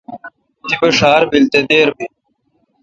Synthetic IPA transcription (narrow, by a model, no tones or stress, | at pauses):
d̪ibɐʂaːɾbilt̪ed̪eːɾbi